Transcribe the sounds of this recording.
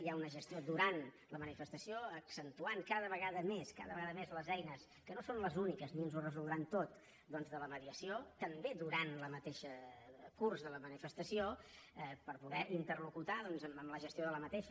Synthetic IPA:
iaunəʒəst̪iod̪uɾan | ləmənifəst̪əsioəksənt̪uaŋkaðəβəɣaðəmeska̰ðəβəɣaðəmezləzɛjnəs | kənosonləzunikəzniənzurəzulˠd̪ɾant̪ot̪ | d̪ɔnzðələməðiəsiot̪əmbeðuɾanləmət̪eʃəkurzðələmənifəst̪əsioɛpəɾpuðɛʔint̪ərlukut̪aðɔnzəməmləʒəst̪ioðələmət̪eʃə

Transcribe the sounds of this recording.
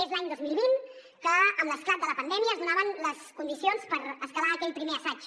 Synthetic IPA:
ezlaɲd̪ozmilˠβin | kəəmləsklad̪ələpənd̪ɛmiəːzðunaβənləskund̪isionspəɾəskəlaːkɛlpɾimeəsad͡ʒ

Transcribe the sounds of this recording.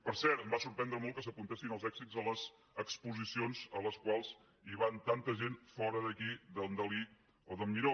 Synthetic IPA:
pəɾsɛɾt̪əmbasuɾpɛnd̪ɾəmolˠkəs̬əpunt̪esinəlˠzɛɡsizələz | əkspuzisionzə̰ləskwalˠz̥ | iβant̪ant̪əʒenfɔɾəðəkiðənd̪əli | oðəmiɾo

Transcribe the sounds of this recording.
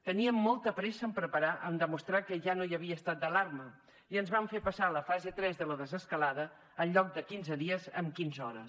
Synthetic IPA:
t̪əniəmːɔlˠt̪əpɾɛsəəmpɾəpəɾaʔənd̪əmust̪ɾakəʒanoiəβiəːst̪at̪̚d̪əlarmə | iənzβaɱfepəsaləfazet̪ɾɛzðələðəzəskəlaðəː | nʎɔk̚d̪əkinzəðiəzə̰mkinzɔɾə̰

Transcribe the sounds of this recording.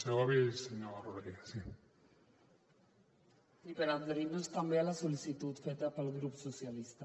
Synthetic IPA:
seaβiseɲoaroðɾiɣasi | ipeɾad̪eɾinost̪ambealasolisit̪ut̪fet̪apalɣɾupsosjalist̪a

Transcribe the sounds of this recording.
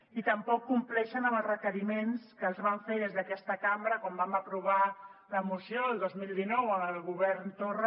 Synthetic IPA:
it̪əmpɔkːumplɛʃənəməlˠzrəkəɾimenskəːlˠzβaɱfeðezðəkɛst̪əkambɾəkɔmbaməpɾuβ̞aləmusjoəlˠd̪ozmilˠd̪inɔwəməlˠɣuβɛɾnt̪orə

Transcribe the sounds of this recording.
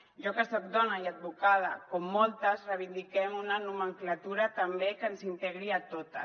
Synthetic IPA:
ʒɔkəsɔk̚d̪ɔnajad̪̚βukað̞a̰komːɔlˠt̪azreβ̞ind̪ikɛmunanuməŋklat̪uɾat̪ambekənsint̪eɣ̞ɾiat̪ot̪a̰

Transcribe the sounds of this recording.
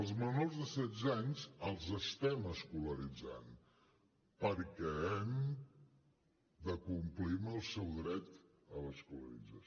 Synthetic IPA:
lˠzmənozðəsɛd͡zaɲzəlˠzəst̪ɛməskuləɾid͡za̰n | pəɾkɛɛm | d̪əkumpliməlˠsɛwðɾɛt̪ | əβəskuləɾḭd͡za

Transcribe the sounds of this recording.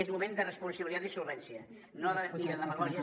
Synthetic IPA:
ezmumẽnd̪ərəspunsəɐβilit̪at̪isulβɛnsiə | noaðaðəfiniðəðəməɣɔʒ

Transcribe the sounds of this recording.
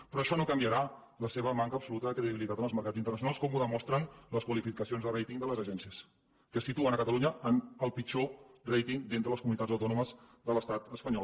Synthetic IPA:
pɾɔəʃɔnokəmbiəɾa | ləseβ̞əmaŋkəːpsulut̪əðəkɾəðiβilit̪at̪ənəlˠzməɾkad͡zint̪ərnəsjunaskɔmuðəmɔst̪ɾənləskwəlifikəsionzðərejt̪iŋd̪ələzəʒɛnsiəs | kəsit̪uənəkət̪əluɲəʔənəlˠpit͡ʃɔrejt̪iŋd̪int̪ɾələskumunit̪ad͡zəwt̪ɔnuməzðələst̪at̪əspəɲɔ

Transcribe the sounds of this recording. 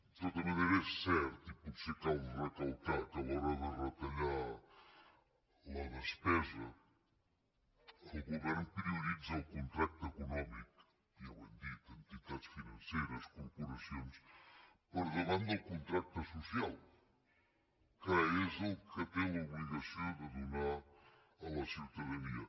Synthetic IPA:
t̪ot̪ɐmɐnejɾɛsɛɾt̪ipɔɾsekawrɐk̪ɐlˠt̪akalɔɾaðɐrɐt̪ɐʎa | lˠaðɐʃpɛzɐ | uɣuβɛɾnupɾiuɾizɐwkõnt̪ɾak̚t̪ekunɔmiku̥ | iɐβḛ̃nd̪it̪ẽnt̪it̪aðʃfinɐ̃nsejɾɐskuɾpuɾɐsjõspəɾðɐβɐ̃nd̪ɐwkõnt̪ɾak̚t̪ɐsusialˠ | kɐezelˠkɨt̪ẽuβliɣɐsõwd̪ɨðunaɾ | ɐlɐsiɾt̪ɐðɐniɐ

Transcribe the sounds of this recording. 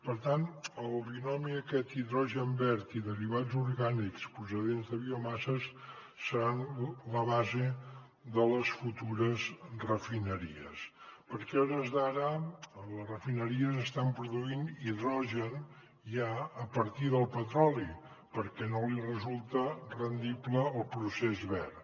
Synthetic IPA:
pəɾt̪anəlˠβiunɔmiəkɛt̪iðɾɔʒəmbɛɾt̪iðəɾiβad͡zuɾɣanikspɾus̬əðenzðəβiumasəs | səɾanləβaze | d̪ələsfut̪uɾəzrəfinəɾḭə̰spəɾkɛɔɾəzðaɾələsrəfinəɾiəzəst̪ampɾuðuiniðɾɔʒən | ʒaəpəɾt̪iðəlˠpət̪ɾɔli | pəɾkɛnolirəzulˠt̪ərənd̪ipləːlˠpɾusezβɛɾ

